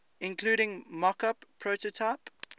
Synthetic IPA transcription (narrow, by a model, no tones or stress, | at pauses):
ɪ̃nkʰluːɾɪ̃ŋmɔkapʰːɹoʊtotʰaɪp